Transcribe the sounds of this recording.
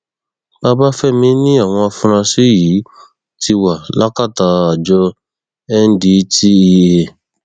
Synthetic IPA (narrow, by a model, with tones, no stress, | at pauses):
ba˦ba˦fɛ˦˨mĩ˦nĩ˦a˦˨w̃ɔ̃˧a˧fũ˧ɾ̃ã˧si˦ji˨˦ | ti˧wa˨la˦ka˦˨ta˧˦a˨d͡ʒɔ˧ | ɛ˦n̩˦di˨˦ti˦i˧e˧